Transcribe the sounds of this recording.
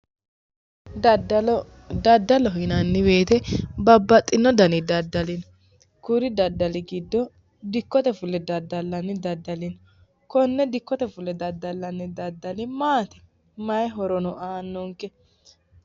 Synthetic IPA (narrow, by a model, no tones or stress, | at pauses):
d̪ɐd̪ːɐlɔhɪnɐnːɪbeːt̪ɛbɐbːɐt̪ʼːɪnːɔd̪ɐnɪd̪ɐd̪ːɐlɪn | kuɾɪd̪ɐd̪ːɐlɪɡɪd̪ːɔ | d̪ɪkːɔt̪ɛfʊlːɛd̪ɐd̪ːɐlːɐnːɪd̪ɐd̪ːɐlɪn | kɔnːɛd̪ɪkːɔt̪ɛfʊlːɛd̪ɐd̪ːɐlːɐnːɪd̪ɐd̪ːɐlɪmaːt̪ɛ | mɐjɛɦɔɾɔnɔʔaːnːɔŋkːɛ